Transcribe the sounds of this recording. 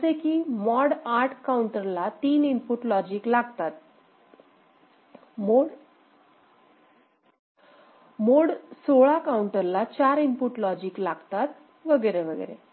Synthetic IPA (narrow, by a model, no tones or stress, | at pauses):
sekiːmɔɽaʈʰkauɳʈəɾlat̪iːnimpuʈlɔd͡ʑiːklaɡt̪at̪̚ | moɽ | moɽsoɭakauɳʈəɾlat͡ɕaɾimpuʈlɔd͡ʑiːklaɡt̪at̪̚ | ʋəɡəɾeʋəɡə̰ɾḛ